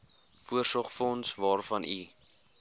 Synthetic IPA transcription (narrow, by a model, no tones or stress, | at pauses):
fuərsɔχfɔnsvɑːrfɐnʔi